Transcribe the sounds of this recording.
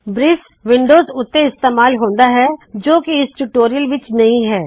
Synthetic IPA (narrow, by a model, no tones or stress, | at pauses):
bɾɪs | ʋɪ̃ɳɖoːzʊt̪ːeɪst̪eːmaːlɦõːnd̪aɦɛd͡ʒoːkiɪsʈuʈoːɾijəlʋɪt͡ʃnɐɦĩɦɛː